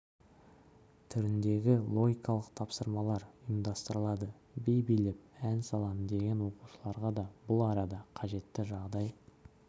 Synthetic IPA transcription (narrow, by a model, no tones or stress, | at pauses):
t̪ʰʏɾɪnd̪e̞ɡʲɪlˠo̞ɡʲijkɑlˠəqt̪ʰɑpsəɾmɑlˠɑɾəmd̪ɑst̪əɾəlˠɑd̪ə | bejbijlep̚ænsɑlˠɑmd̪e̞ɡʲe̞nwo̞qu̥ʃəlˠɑɾʁɑd̪ɑbʊlˠɑɾɑd̪ɑqʰɑʒe̞t̪ːɪʒɑʁd̪ɑj